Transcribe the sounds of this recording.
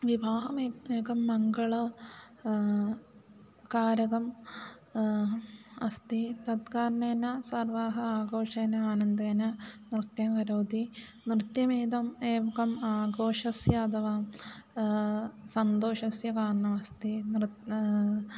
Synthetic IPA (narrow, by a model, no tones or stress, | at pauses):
ʋibʱaːɦɐmeːeːkɐmːɐŋɡɐɭɐ | kaːɾɐɡɐm | ɐst̪it̪ɐd̪kaːɾɳeːnɐsɐrʋaːɦɐaːɡoːʂeːnɐaːnɐnd̪eːnɐnrɨt̪jɐmkɐɾoːd̪i | nrɨt̪jɐmeːd̪ɐmeːʋɐkɐmaːɡoːʂɐsjɐɐt̪ʰɐʋaːm | sɐnd̪oːʂɐsjɐkaːɾɐɳɐmɐst̪in